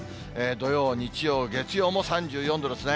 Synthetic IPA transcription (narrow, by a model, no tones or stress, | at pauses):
eːd̪o̞jo̞ːɲ̟it͡ɕijo̞ːɡe̞t͡sɨjo̞ːmo̞sãɲ̟d͡ʑɨːjõnd̪oɾosɨna